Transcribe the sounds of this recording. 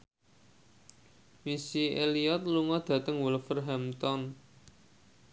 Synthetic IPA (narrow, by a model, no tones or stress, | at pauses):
misiʔeliɔt̪̚luŋɔd̪̥ä̤t̪əŋwʊlfərɦɛmt̪ɔn